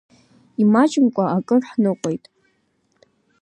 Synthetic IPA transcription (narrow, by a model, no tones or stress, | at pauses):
imat͡ʃʼɪmkʷʼaakʼɨrħnɨqʷʼo̞jtʼ